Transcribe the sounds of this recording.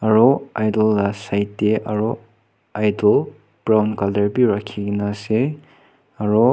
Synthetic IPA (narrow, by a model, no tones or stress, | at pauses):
aɾɔajdɔlːasajtːeʔaɾɔ | ajdɔl | b̥ɾawnkaldəɾbiɾakʰiɡinase | aɾɔ